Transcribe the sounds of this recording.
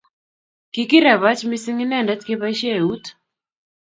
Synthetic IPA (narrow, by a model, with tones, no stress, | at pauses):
ki˦ki˦ɾa˨βa˦t͡ʃmi˦si˦ŋi˦nɛ˦˨nda˦t̪ke˦βa˦ʃja˦˨u˦t